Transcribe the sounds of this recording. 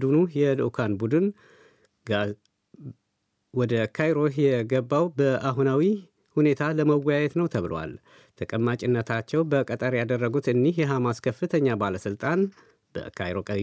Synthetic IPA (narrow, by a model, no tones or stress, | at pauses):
d̪unujɛlɨʔkʰanbud̪ɨn | wɔd̪əkʰajɾo̞jɛɡəbːawbəʔaɦunawi | hune̞t̪ʰaləməwɔjajɛt̪nəwt̪ʰəβɨlo̰wa̰l | t̪ʰəkʼəmːat͡ʃʼɪnːət̪ʰat͡ʃːɛwbəkʼət̪ʼəɾjad̪ərːəɡut̪ɨnːihjɛɦamaskʰəfːɨt̪ʰəɲːabaləsɨlt̪ʼan | b̥ə̰kʰa̰jɾokʼə